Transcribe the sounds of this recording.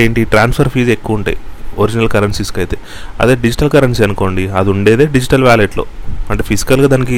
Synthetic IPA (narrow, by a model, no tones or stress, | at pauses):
eːɳʈiiːʈɾaːnspʰɐɾpʰiːd͡ʒe̞kːuʋuɳʈa̰ːjioɾid͡ʒinɐlkɐɾɐnsiskɐjit̪e̞̰ | ɐ̰d̪eːɖid͡ʒiʈɐlkɐɾɐnsiɐnuko̞ːɳɖiɐd̪iuɳɖeːd̪eːɖid͡ʒiʈɐlʋaːleːʈlo̰ːɐɳʈeːpʰisi̥kɐlɡaːd̪ɐnɐki